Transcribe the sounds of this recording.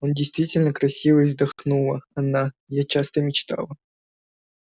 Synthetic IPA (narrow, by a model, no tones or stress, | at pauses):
ondʲɪjst̪vʲitʲɪlʲnəkɾɐsʲivəzd̪ɐxnulˠəɐnajat͡ɕast̪əmʲɪt͡ɕt̪a̰lˠə